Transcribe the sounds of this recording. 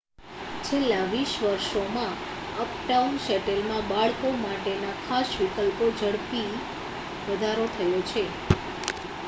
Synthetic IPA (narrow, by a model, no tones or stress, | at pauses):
t͡ʃʰelːaʋiʃʋəɾʃomã | əp̚ʈaunʃɛʈelmãbaɭkomaʈenakʰasʋikəlpod͡ʒəɽpi | ʋəd̪ʱaɾot̪ʰəjot͡ʃʰe